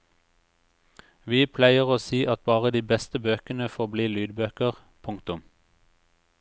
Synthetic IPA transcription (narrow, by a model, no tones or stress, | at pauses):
ʋiːpʰlæɪəʁoːsiːʔɑt̪̚bɑːʁəd̪iːbɛst̪əbøːkənəfoːʁbliːlyːd̪bøːkəʁ | pʰʊŋkt̪ʊm